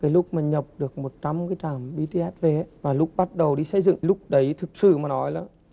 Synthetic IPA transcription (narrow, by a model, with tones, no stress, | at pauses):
kaː˨˦jlʊ˦˥k͡p̚maː˨˩ɲə˨˩p̚ɗɨ˨˩ək̚mo˨˩t̚t͡ɕɔ˧mkaː˨˦jt̪aː˨˩mɓi˧t̪e˧ʔɛː˦˥t̚ve˨˩˦vaː˨˩lʊ˦˥k͡p̚ɓa˦˥t̚ɗə˨˩wɗi˧sə˧jzɨ̰˧˨ŋlʊ˦˥k͡p̚ɗə˨˦jt̪ʰɨ˨˩k̚sɨ̰˧˨maː˨˩nɔ˨˦jlaː˨˩